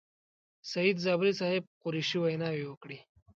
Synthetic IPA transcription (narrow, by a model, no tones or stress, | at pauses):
sɐid̪zabɾisaɦeb̚quɾiɕiʋəjnaʋiʋəkɽi